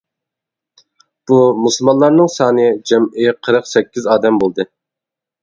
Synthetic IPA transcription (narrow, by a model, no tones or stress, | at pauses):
b̥umuslˠmɑnlˠɑɾnɨŋsɑːnɨd͡ʒɛmɪqʰəɾɨqsɛkʲːizɑːd̪ɛmbolˠd̪ɨ